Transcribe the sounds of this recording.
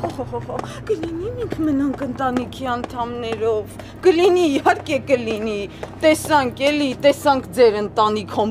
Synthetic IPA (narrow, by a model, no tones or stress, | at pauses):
ɔhɔhɔɦɔkəlinimiŋkʰmənɑŋkʰənt̪ɑnikʰiɑnt̪ʰɑmnɛɾɔv | kəliniːhɑɾkɛkəlinit̪ɛsɑŋkʰɛlit̪ɛsɑŋkʰd͡zɛɾənt̪ɑnikʰɔm